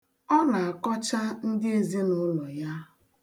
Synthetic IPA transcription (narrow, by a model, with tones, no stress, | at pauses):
ɔ˦na˨a˨kɔ˦t͡ʃa˦n̩˦dɪ˦e˨zi˦nʊ˦lɔ˨ja˦